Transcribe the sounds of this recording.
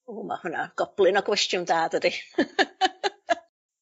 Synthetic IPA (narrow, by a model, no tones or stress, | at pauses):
oːma̰hʊna̰ɡ̥ɔb̥lˠɪnɔɡwɛstjʊndaːdədi